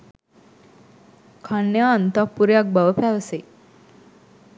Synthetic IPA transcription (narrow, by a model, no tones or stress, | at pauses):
kʰanːjaːnt̪apːuɾejak̚bɐʋəpæːʋəse